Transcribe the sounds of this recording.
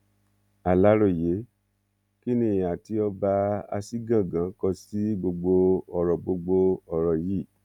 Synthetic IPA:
a˨la˨˦ɾo˦˨je˨˦ | ki˦nĩ˦˨j̃a˨ti˧˦ɔ˧ba˧a̰˧si˦ɡã˦˨ɡã˨˦kɔ˧si˦ɡ͡bo˧ɡ͡bo˧ɔ˨ɾɔ˨ɡ͡bo˧ɡ͡bo˧ɔ˨ɾɔ˨ji˦˨

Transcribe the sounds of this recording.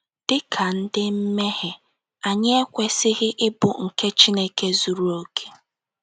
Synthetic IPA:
d̥ɪ˦kʰa˨n̩˦dɪ˦m̩˦me˦ɦɪ˨ | a˨ɲe˦e˦kʷe˨sɪ˦ɣɪ˦ʔɪ˦bʊ˨ŋ̩˨ke˦t͡ʃi˦ne˦ke˦zu˨ɾu˦o˨kʰe̥˨

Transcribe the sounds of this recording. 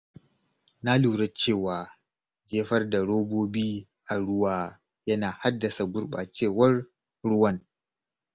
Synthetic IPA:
na˦luː˨ɽɐ˦t͡ʃeː˦˨waː˨ | d͡ʒeː˦ɸɐ˦rda˨ɽoː˦boː˦biː˦ | ʔa˨ɽʊ˦waː˦ | jɐ˦naː˨ha˦dːɐ˨sa˨ɡʷʊ˦ɽɓa̰ː˨t͡ʃeː˦˨wɐ˦r | ɽʊ˦wɐ˦n

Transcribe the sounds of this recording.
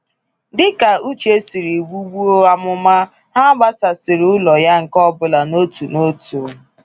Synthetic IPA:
dɪ˦ka˨u˦t͡ʃe˦si˨ɾi˨ɡ͡bu˦ɡ͡bu˦o˦a˦mʊ˦ma˦ | ɦa˦ɡ͡ba˦sa˨sɪ˨ɾʊ˦lɔ˨ja˦ŋ̩˨kɔ˦bʊ˨la˨no˦tu˨no˦tu˨˦

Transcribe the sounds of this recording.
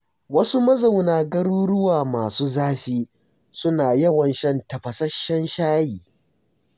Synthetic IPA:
wɐ˦su˦mɐ˦za˨wnaː˨ɡɐ˦ɽuː˦ɽʊ˦waː˨maː˨suː˦zaː˦ɸiː˦ | sʊ˦naː˨jɐ˦wɐ˨nʃɐ˦ntɐ˨ɸɐ˨sɐ˦ʃːɐ˦nʃaː˦jiː˨

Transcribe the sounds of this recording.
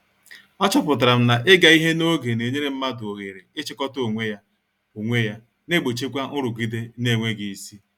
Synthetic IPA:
ɔ˦t͡ʃʊ˦pʊ˨t̬a˨ɾa˨m̩˦na˨ʔɪ˦ɡa˨i˦ɦe˦no˦ɡe˨ne˨ɲe˦ɾe˦m̩˦ma˦dʊ˨o˨ɣe˨ɾe˨ɪ˦t͡ʃɪ˦kɔ˦to˨ŋʷe˦ja˦ | o˨ŋʷe˦ja˦ | ne˦ɡ͡bo˨t͡ʃe˦kʷa˦ʔʊ˦ɾʊ˨ɡi˦de˦ne˦˨ŋʷe˦ɡɪ˨i˨si˦

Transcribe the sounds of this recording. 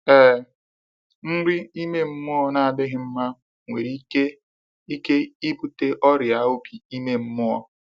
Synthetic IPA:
e˦˨ | n̩˦ɾɪ˦i˦me˦m̩˦mʊ˦ɔ˦na˨a˨dɪ˦ɦɪ˨m̩˦ma˦ | ŋʷe˨ɾi˨˦ke˦ | i˦ke˦i˦pu˦te˦ʔɔ˦ɾja˨o˦bi˨i˦me˦m̩˦mʊ˦ɔ˦

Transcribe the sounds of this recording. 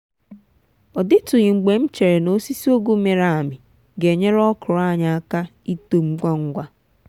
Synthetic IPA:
ɔ˨dɪ˦tʊ˨ɣɪ˨ŋ͡m̩˨ɡ͡be˨m̩˦t͡ʃe˨ɾe˨no˦si˦si˦o˦ɡo˦me˨ɾa˨a˨mɪ˨ | ɡe˨ɲe˦ɾɔ˦kʊ˨ɾa˦˨ɲa˨a˦ka˦ | i˦to˨m̩˦ɡ͡bʷa˦ŋ̩˦ɡʷa˦

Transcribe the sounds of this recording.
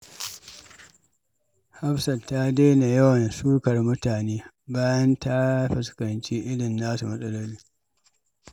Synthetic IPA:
ha˦ɸsɐ˨lta˦deː˦na˨jɐ˦wɐ˨nsuː˦kɐ˨rmʊ˦taː˨neː˦ | baː˦jɐ˦nta˦ɸɪ˨skɐ˨nt͡ʃiː˦ʔɪ˦ɽɪ˨nzaː˦su˨mɐ˦sʼɐ˦lɔ˦li˦

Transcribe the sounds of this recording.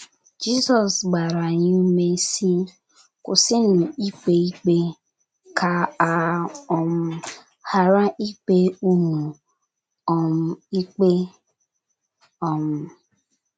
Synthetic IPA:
d͡ʒi˦zɔ˨sɡ͡ba˨ɾa˨ɲɪ˦u˦me˦si˦ | kʊ˨sɪ˦nʊ˨i˦k͡pe˦i˦k͡pe˦ | ka˨a˨ɔ˦m̩˦ | ha˨ɾa˦ʔi˦k͡pe˦u˦nu˨ | ɔ˨m̩˦i˦k͡pe˦ | ɔ˨m̩˦

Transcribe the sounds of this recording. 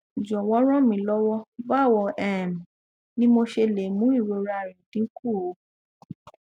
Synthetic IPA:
d͡ʒɔ˨wɔ̃˦ɾ̃ɔ̃˦mĩ˧˦lɔ˦wɔ˦ba˦˨wɔ˧ʔɛ˦˨m˨ | nĩ˦mo˧ʃe˧le˨mũ˨˦i˦˨ɾo˧ɾa˧˨ɾĩ˨tĩ˨˦ku˦˨o˨˦

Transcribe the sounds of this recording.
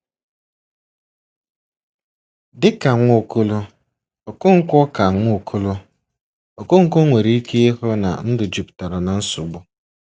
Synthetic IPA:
dɪ˦ka˨ŋʷo˦˨kʊ˦lʊ˦ | ɔ˨kʊ˦ŋ̩˦kʷɔ˦ka˨ŋʷʊ˦˨kʰu˦lʊ˦ | ɔ˨kʊ˦ŋ̩˦ko˦ŋʷe˨ɾi˦i˦ke˦e˦ɦɔ˦na̰˨n̩˦dʊ˨d͡ʒi˨pta˨ɾɔ˨na˨n̩˦sʊ˨ɡ͡bʊ˦

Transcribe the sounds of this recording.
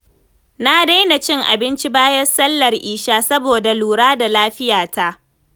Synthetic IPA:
na˦da˦jna˨t͡ʃɪ˦ŋʔa̰˨bɪ˦nt͡ʃi˦baː˦jɐ˦rsɐ˦lːɐ˨rʔiː˨ʃaː˦sɐ˦boː˨da˨luː˨ɽaː˦da˨laː˦ɸɪ˦jaː˨ta˦ʔ

